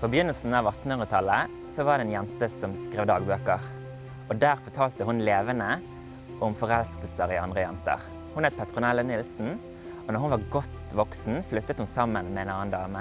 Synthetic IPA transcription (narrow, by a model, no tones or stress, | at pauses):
pʰobəjʏnːəlsn̩ɑːʋɑt̪n̩hʉnʁət̪ʰɑlə | sɔʋɑːʁd̪ɛːnjɛnt̪əsɔmskʁeːʋd̪ɑːɡbøːkəʁ | ɔd̪æːʁfɔt̪ʰɑːlt̪əhʊnleːʋənə | ʔɔmfɔʁɛlsk̪l̩səʁiɑnd̪ʁəjɛ̰nt̪ə̰ʁ | hʊnɛt̪̚pʰɛt̪ʁʊnɛlːənɪlsn̩ | ɔnɔʁhʊnʋɑʁɡɔt̪ʋɔksn̩flʉt̪ːət̪hʊnsɑmːənmɛeːnɑːnd̪ɑːmə